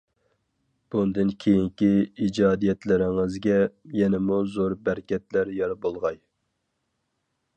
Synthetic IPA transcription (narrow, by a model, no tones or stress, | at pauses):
b̥und̪ɨnkʲʰejiŋkʲiid͡ʒɑːd̪ijɛt̪ʰlɪɾɪŋɪzɡʲɛjɛnɪmuzoɾbæɾkʲɛt̪læɾjɑɾbolˠʁɑj